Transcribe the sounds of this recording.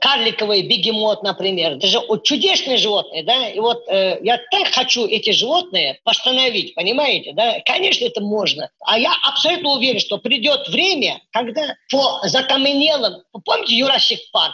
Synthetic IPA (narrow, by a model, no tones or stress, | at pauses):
karlʲɪkəvɨjbʲɪɡʲɪmo̞t̪nəpɾʲɪmʲe̞rd̪aʐɨʔot͡ʃːʊdʲesnɨjəʐɨvo̞t̪̚nɨjəd̪aivo̞t̪jat̪akxɐt͡ɕuʔɛtʲɪʐɨvo̞t̪̚nɨjəpɐst̪ənɐvʲitʲpənʲɪmajɪtʲɪd̪akɐnʲe̞ʂnəɛt̪əmoʐnəa̰jaʔɐpsɐlʲut̪nəʊvʲeɾʲɪnʂt̪o̞pɾʲɪdʲo̞t̪vɾʲemʲəkɐɡd̪apozɐkɐmɨnʲelˠəmppomʲɪtʲɪjʊɾasʲːɪkpar